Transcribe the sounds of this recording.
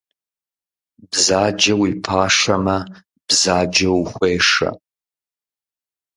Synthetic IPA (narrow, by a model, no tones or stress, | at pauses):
bzaːd͡ʒɐwipʰaːʂɐmɐ | b̥zaːd͡ʒɐwxʷeːʂɐ̰